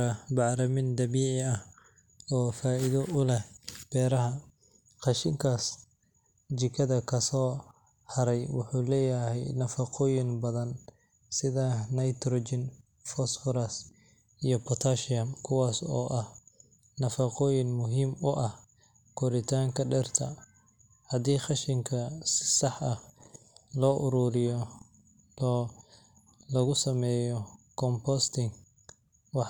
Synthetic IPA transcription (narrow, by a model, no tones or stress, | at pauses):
ɐbɑʕɾɐmɪnd̪ɐβiːʕɪɐh | ɔːfaːʔɪðɔʔʊlɛhb̥ɛːɾɐɦɐ | qɑʃɪŋkʰaːs | t͡ʃɪkʰɐðɐkʰɐsɔː | hɐɾɛjwʊ̰ħuːlɛːjɐhɛjnɐfɐqɔːjɪnbɐðɐn | sɪðɐnɐjt̪ʰɾɔːd͡ʒɪn | fɔsfɔɾɐs | ijɔpʰɔt̪ʰaʃɐmkʰʊwaːsɔ̰ːʔɐh | nɐfɐqɔːjɪnmʊɦiːmʊʔɐh | kʰɔɾɪt̪ʰaːŋkʰɐɖɛrt̪ʰɐ̰ | hɐd̪iːχɑʃɪŋkʰɐsɪ̥sɑħɐh | lɔːʔʊɾuːɾɪjɔ | ɔː | lɐɣʊsɐmɛːjɔkʰɔmpɔst̪ʰɪŋ | wɑ